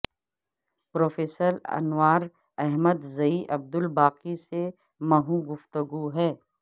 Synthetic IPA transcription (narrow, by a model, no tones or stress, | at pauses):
pɾoːfeːsəɾɐ̰nwaːɾ | ɛɦməd̪zɐiʔɐb̚d̪ʊlbaːqise | mɐɦũɡʊft̪əɡuɦɛː